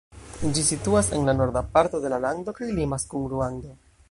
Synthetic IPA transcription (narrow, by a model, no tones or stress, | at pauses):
d͡ʒisituase̞̰nlano̞ɾdapaɾto̞de̞lalaŋdo̞kajlimaskunɾuando